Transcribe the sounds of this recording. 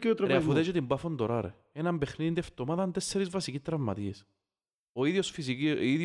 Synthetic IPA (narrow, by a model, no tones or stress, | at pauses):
kot̪ɾɐɾeɐfuðed͡ʒot̪imbɐfond̪oɾɐɾḛ | enɐmbexniðid̪ieft̪omaðɐnt̪esːeɾizvɐsicist̪ɾɐvmːɐt̪ies | oiðosfisiiið